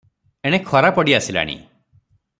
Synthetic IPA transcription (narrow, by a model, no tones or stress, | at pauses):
eɽ̃ekʰɔɾapɔɽiasila̰ɽ̃ḭ